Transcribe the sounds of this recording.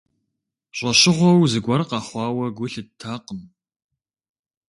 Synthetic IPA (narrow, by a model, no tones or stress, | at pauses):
ɕʷʼɐɕɪʁʷɔwzɨɡʷɐrqɑχʷɑːwɐɡʷʊɬɨtʰaːqəm